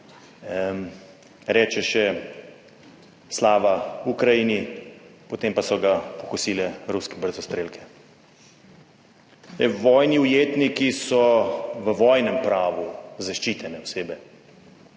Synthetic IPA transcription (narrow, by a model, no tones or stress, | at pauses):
ɾɛːt͡ʃɛʃɛ | slaːʋaukɾajinipɔt̪empasɔɡapɔxusiːlɛɾuskɛbəɾzɔst̪ɾeːlkʰɛ̥ | ɛʋɔːjniujeːt̪nikisɔʋəʋɔːjnɛmpɾaːʋuzaʃt͡ʃiːt̪ɛnɛɔseːbɛ